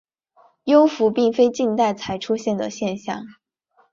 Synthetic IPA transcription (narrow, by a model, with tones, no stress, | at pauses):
jo˥ʊfu˧˥pi˥˩ŋfe˥ɪt͡ɕi˥˧nt̪a˥˩ɪt͡sʰa˨˧˥ɪʈ͡ʂʰu˥ɕjɛ˥˩nd̪ə˩ɕjɛ˥˧nɕjɑ̰˥˩ŋ